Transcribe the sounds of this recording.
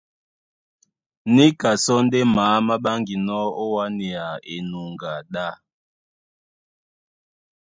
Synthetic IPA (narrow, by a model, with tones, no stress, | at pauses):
ni˦ka˨sɔ˦n˦de˦maː˨˦ma˦ɓa˦ŋɡi˨nɔ˦o˦wa˦ni˨a˨e˨nu˨ŋɡa˨ɗa˦˨